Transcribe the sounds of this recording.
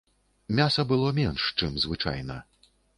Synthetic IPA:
mʲasɐbɨlˠɔmʲɛnʂt͡ʂɨmzvɨt͡ʂa̰jnɐ

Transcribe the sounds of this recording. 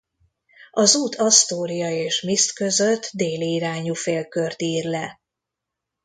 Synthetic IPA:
ɒzuːt̪ʰɒst̪oːɾijɒeːʃmist̪kø̞zøt̪ːd̪eːliːɾaːɲufeːlkørt̪iːrlɛ

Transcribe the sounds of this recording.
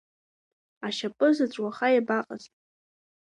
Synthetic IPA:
aʃapʼɨzaʈ͡ʂʷʼwaχajabaqʼa̰ztʼ

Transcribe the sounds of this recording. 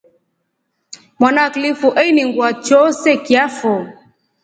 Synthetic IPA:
mwanaklifuʔɛiniŋɡwat͡ʃɔsɛkiafɔ

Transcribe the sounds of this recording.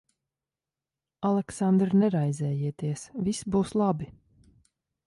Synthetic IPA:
alˠɛksand̪ɾnɛɾajzɛːjiɛt̪iɛsvʲisbuːslˠabi

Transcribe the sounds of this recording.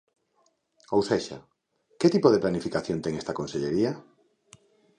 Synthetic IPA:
owseʃa̰ | ket̪ipoð̞eplanifikaθjont̪eŋest̪ɐkonseʎeɾiɐ

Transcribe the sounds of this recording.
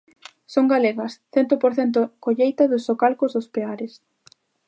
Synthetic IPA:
soŋɡaleɣɐsθɛnt̪ʊpoɾθent̪̬okoʎejt̪ɐðʊsːokalkozðospeaɾes

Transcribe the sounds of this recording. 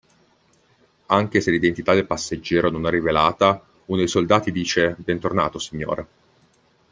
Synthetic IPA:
aŋk̟eselːid̪ent̪it̪ad̪elpasːed͡ʒːɛːɾononɛrːivelaːt̪a | unod̪ejsold̪aːt̪id̪iːt͡ʃebɛnt̪orna̰ːt̪osiɲːo̰ːɾa

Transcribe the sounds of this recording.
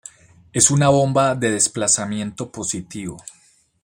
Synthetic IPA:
e̞sunaβo̞mbaðe̞ðe̞splasamje̞nt̪o̞po̞sit̪iβo

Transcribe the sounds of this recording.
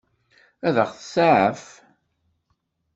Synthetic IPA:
æðəχθəsaʕəf

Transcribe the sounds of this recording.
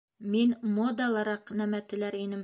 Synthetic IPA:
minmod̪ɑlˠɑɾɑqnæmæt̪ɘ̆læɾinɘm

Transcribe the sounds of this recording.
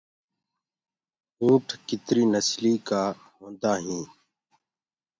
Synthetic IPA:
ɦuːʈʰkɪt̪ɾiːnəsliːkaː | ɦõːnd̪aːɦĩː

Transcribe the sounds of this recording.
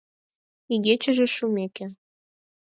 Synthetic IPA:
iɣet͡ɕə̆ʒĕʃumekĕ

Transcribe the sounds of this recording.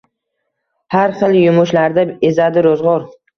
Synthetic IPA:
haɾχɨlˠjʊmʊʃlaɾd̪aezad̪ɪɾozʁɒɾ

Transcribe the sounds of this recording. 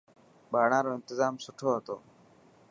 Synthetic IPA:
baːɽ̃aːɾoːɪnt̪ɪzaːmsʊʈʰoːɦət̪o̰ː

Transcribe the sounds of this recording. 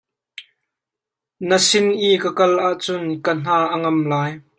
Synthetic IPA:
nəsɪnʔiːkəkɐlʔaʔt͡sʊnkən̥aːʔəŋɐmlaːj

